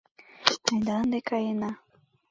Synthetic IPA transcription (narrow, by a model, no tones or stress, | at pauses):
ajd̪and̪ekajena